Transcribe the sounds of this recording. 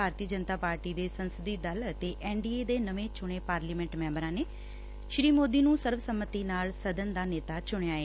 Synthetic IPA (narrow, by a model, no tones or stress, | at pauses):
aːɾt̪iːəd͡ʒənt̪aːpaːɾʈiːd̪eːsənsəd̪iːd̪ələt̪eːʔɛːɳɖiːeːd̪eːnəʋẽːt͡ʃʊɳ̃eːpaːɾliːmɛ̃ɳʈmɛ̃ːmbəɾãːneː | ʃɾiːmoːd̪iːnũːsəɾʋsəmːət̪iːnaːlsəd̪ənd̪aːneːt̪aːt͡ʃʊɳ̃eaːeː